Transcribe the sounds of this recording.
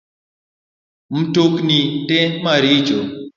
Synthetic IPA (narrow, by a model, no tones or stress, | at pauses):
m̩toknitemaɾit͡ʃo